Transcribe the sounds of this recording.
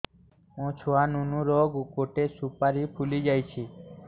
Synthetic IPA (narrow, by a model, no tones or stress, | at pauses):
õt͡ʃʰoanunũɾɔɡukoʈesupaɾipʰulid͡ʒajt͡ʃʰi